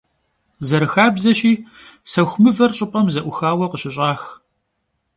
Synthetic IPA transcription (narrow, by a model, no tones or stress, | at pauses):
zɐɾɨxaːbzɐɕʼiː | sɐxʷʊmɨvɐrɕʼɪpʼɐmzɐʔʷʊxaːwɐqəɕɪɕʼaːx